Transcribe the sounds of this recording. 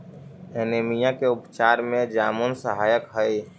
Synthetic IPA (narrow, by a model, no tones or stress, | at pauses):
enemijãkeʊpt͡ʃaːɾmẽd͡ʒaːmonsəɦaːjəkɦəi